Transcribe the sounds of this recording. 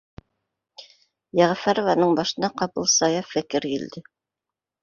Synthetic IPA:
jæʁæfæɾŏvɑnɤɴbɑʃɤ̆nɑqɑpɤlˠsɑjɑffækɘɾjild̪ɘ

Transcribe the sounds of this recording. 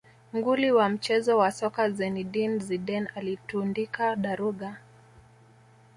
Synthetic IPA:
ŋɡuliwam̩t͡ʃɛzɔwasɔkazɛniɗinziɗɛnalitundikaɗaɾuɠa

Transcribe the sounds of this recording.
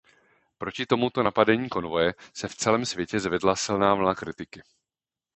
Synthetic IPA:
pɾo̞cɪt̪o̞mut̪o̞napadɛɲiːko̞nvo̞jɛsɛft͡sɛlɛːmsvjɛcɛzvɛdlasɪlnaːvl̩nakɾɪt̪ɪkɪ

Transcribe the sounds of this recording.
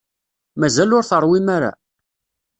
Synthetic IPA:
mæzælʊɾθəɾˤwimæɾa̰

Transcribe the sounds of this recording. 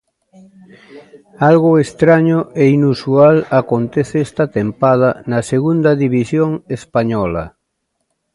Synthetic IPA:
alɣʊest̪ɾaɲoʔeinusualakont̪eθeest̪at̪empað̞anaseɣund̪aðiβisjoŋespaɲɔla̰

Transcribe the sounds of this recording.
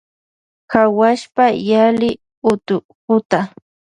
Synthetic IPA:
kawaʃpajalɪ | ʊt̪ʊ | pʊt̪a

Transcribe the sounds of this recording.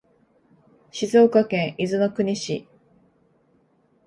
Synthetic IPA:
ɕizo̞ːkakẽɰ̃ʔizɨno̞kɯ̟ɲ̟iɕḭ

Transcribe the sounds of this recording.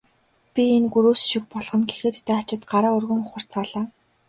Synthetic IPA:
pʲienɡuɾuːsʃik̚pɔɮʁɞ̆nɡe̥xĕːt̪t̪ːæːat͡ɕɪ̆t̪ɢaɾaːɵrɣɵ̆ŋʊχə̆r̥t͡sʰaːɮaː

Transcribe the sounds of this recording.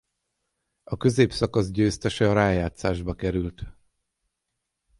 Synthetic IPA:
ɒkø̞zeːpsɒkɒzɟøːst̪ɛʃɛɒɾaːjaːt̪saːʒbɒkɛɾylt̪

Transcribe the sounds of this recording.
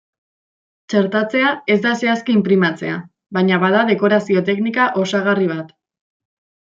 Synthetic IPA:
t͡ʃe̞ɾt̪at͡se̞ae̞zd̪ase̞askiːmpɾimat͡se̞a | βajɲaβaðaðe̞ko̞ɾasio̞t̪̬e̞knikaʔo̞saɣ̞ariβ̞at̪

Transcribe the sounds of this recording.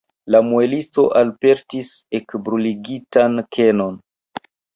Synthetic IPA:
lamuelisto̞ʔalpe̞ɾtisekbɾuliɡitankʰe̞no̞n

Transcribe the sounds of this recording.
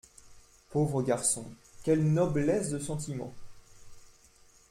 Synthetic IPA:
povʁəɡʲaʁsɔ̰̃kʲɛlnɔblɛsd̪əsɑ̃t̪̬imɑ̰̃

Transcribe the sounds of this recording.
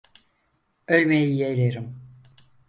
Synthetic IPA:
ølʲmejiijelʲeɾim

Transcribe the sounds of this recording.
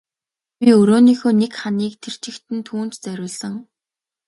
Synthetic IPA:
pʲiɵɾoːniːxoːnekχaniːk̚t̪ʰer̥t͡ɕɪ̆kt̪ɘ̆nt̪ʰuːn̥t͡ɕt͡sæɾʲʊːɮsə̆ŋ

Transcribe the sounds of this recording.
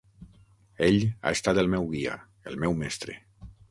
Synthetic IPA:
eʎa̰est̪at̪elˠmɛwɣia̰ | elˠmɛwmɛst̪ɾḛ

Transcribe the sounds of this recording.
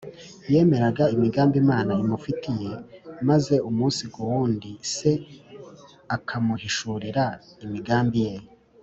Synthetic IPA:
je̞ːme̞ɾaɡaimiɡaːmbimaːnaimufitije̞maze̞umuːnsiɡuwuːndise̞ | akʰamuhiʃuɾiɾaimiɡaːmbijeːjo

